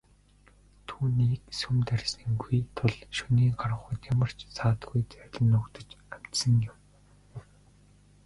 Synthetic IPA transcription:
t̪ʰuːniːksumt̪ærʲsĭŋɡujt̪ʰʊɮʃuniːɢarʁə̆χə̆t̪jamə̆r̥t͡ɕsʰaːt̪ɡujt͡sœɾʲɮə̆nːʊkt̪ə̆t͡ɕæm̥t̪sə̆ŋjɪm

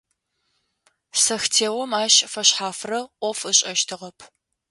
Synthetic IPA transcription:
sɐxtʰeːwɔmaːɕfɐɕħaːfrɐʔʷɔfɨɕʼɐʃtʰɨʁɐpʰ

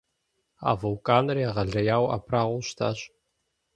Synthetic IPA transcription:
a̰ːvɐwkʼaːnrjaʁɐɮɐjaːwa̰pʰraːʁʷʊɕtʰa̰ːɕ

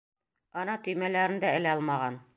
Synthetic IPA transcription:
ɒnɑt̪ɵ̆jmælæɾɘ̆nd̪æɘ̆læɒlˠmɑʁɑn

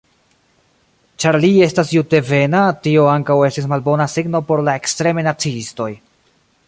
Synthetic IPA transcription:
t͡ʃaɾlie̞stasjute̞ve̞natio̞aŋkawe̞stis̬malbo̞nasiɡno̞po̞ɾlae̞kstɾe̞mejnat͡siisto̞j

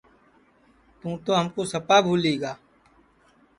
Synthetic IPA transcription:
t̪ũt̪oɦɐmkosɐpabʱuːleːɡaː

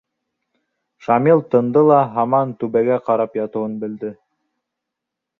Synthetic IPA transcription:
ʃɑmilˠt̪ɤ̆nd̪ɤlˠɑɦɑmɑnt̪ʉβæɡæqɑɾɑpjɑt̪ɤ̆wɤnbɘ̆ld̪ɘ

